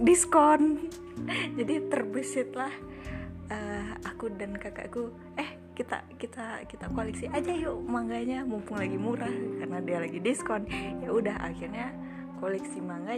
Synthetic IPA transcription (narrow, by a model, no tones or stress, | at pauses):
diskɔn | d͡ʒadit̪ərbəsɪt̪̚lah | əakudankaka̰ʔku | ɛh | kit̪a̰kit̪akit̪akoalɛksiʔad͡ʒajumaŋɡaɲamumpʊŋlaɡimuɾahkarənadialaɡidiskɔnjaudaɦa̰kirɲa | kolɛksimaŋɡa